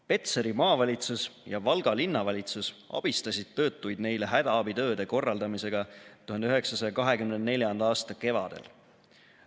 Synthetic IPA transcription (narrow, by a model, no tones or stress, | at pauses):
pe̞t̪seɾimɑːvɑlʲit̪susjɑvɑlɡ̥ɑlinːɑvɑlʲit̪susɑ̰b̥ist̪ɑsʲid̪̥̚t̪ɤːt̪ːˑujd̪̥ne̞jleɦæd̪̥ɑɑbit̪ø̞ːd̪̥e̞ko̞rːɑld̪ɑmise̞ɡ̥ɑt̪uhɑnd̪eyɦe̞ksɑsɑjɑkɑɦe̞kymnenne̞lʲjɑnd̪̥ɑɑːst̪ɑke̞vɑ̰d̪̥e̞̰l